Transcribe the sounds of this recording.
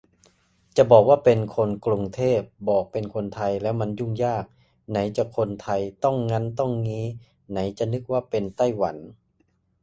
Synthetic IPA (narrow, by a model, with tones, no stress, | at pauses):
t͡ɕa˨˩bɔː˨˩k̚waː˥˩pe˧nkʰo˧nklu˧ŋt̪ʰeː˥˩p̚bɔː˨˩k̚pe˧nkʰo˧nt̪ʰa˧jlɛː˦˥wma˧nju˧˥˩ŋjaː˥˩k̚ | na˩˦jt͡ɕa˧˩kʰo˧nt̪ʰa˧jt̪ɔ˥˩ŋːa˧˥nt̪ɔ˥˩ŋŋiː˧˥ | na˩˦jt͡ɕa˧˨nɯ˦˥k̚waː˥˩pe˧nt̪a˥˩jwa˩˦n